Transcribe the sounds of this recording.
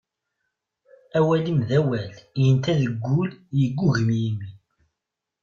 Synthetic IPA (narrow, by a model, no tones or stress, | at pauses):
æwælimðæwæljənt̪æðəɡʷːuljəɡːuʝəmjimi